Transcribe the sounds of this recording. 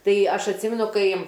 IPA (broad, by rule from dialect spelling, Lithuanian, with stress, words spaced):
ˈtɐɪ ˈɐʃ ɐtʲˈsʲɪmʲɛnʊ ˈkɐɪ